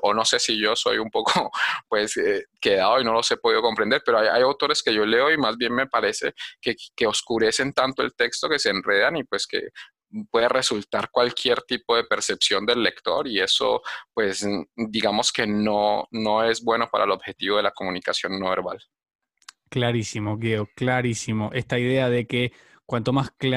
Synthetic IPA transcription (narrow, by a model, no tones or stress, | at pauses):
ono̞se̞siʝo̞so̞̰jumpo̞kʰopwe̞seke̞ðaðoino̞lo̞se̞po̞ðiðo̞ko̞mpɾe̞nd̪eɾpe̞ɾoaja̰jawt̪o̞ɾe̞ske̞ʝo̞le̞o̞imazbje̞nme̞paɾe̞se̞̰kekeoskuɾe̞se̞nt̪ant̪o̞e̞̰lt̪e̞kst̪o̞ke̞se̞ːnre̞ð̞anipwe̞skḛ | pwe̞ðere̞sult̪aɾkwalkʰje̞ɾt̪ipo̞ðe̞pe̞ɾse̞psjo̞nd̪e̞lːe̞kt̪o̞̰ɾie̞so̞̰pwe̞sd̪iɣamo̞ske̞nono̞e̞zbwe̞no̞pa̰ɾʔaelobxe̞t̪iβo̞ðe̞lako̞munikasjo̞nːoβe̞ɾβa̰l | klaɾisimoɣjeoklaɾisimoʔe̞st̪aiðeaðeke | kwant̪omask